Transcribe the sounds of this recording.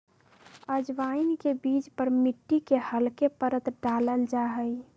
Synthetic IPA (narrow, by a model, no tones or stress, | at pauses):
əd͡ʒʋainkebit͡ʃpəɾmiʈːikehəlkepəɾət̪ɖaləld͡ʒaɦəj